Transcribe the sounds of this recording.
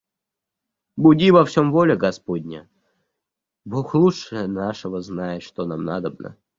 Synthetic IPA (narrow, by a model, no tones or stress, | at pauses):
bʊdʲivɐfsʲomvolʲɪɡɐspodʲnʲə | boxlˠuʂɨənaʂəvəznajɪt̪ʂt̪onamna̰d̪əbnə̰